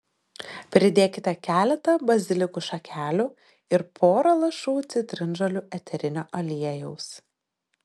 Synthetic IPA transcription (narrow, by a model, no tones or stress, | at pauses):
pʲɾʲɪd̪ʲeːkʲɪt̪ʲɛkʲæːlʲɛt̪ɐbɐzʲɪlʲɪkuːʃɐkʲʰæːlʲuː | ɪɾpʰoːɾɐlˠɐʃuːt̪sʲɪt̪ʲɾʲɪnʒɐlʲuːʔɛt̪ʲʰɛɾʲɪnʲoːʔɐlʲiɛjɛʊs